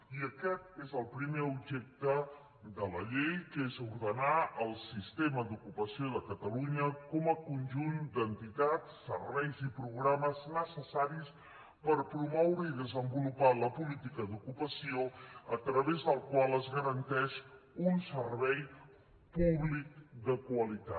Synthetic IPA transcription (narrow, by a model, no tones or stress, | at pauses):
iəkɛt̪̚ezəlˠpɾimeubʒɛk̚t̪ə | d̪ələʎejkezuɾðənaəlˠsist̪eməd̪ukupəsioðəkət̪əluɲəkɔməkunʒund̪ənt̪it̪at̪sːə̰ɾβɛjzipɾuɣɾaməznəsəsaɾis | pəɾpɾumɔwɾəiðəzəmbulupaləpulit̪ikəd̪ukupəsioət̪ɾəβezðəlˠkwalˠəzɣəɾənt̪ɛʃ | unsəɾβɛj | puβlik̚d̪əkwəlit̪a̰t̪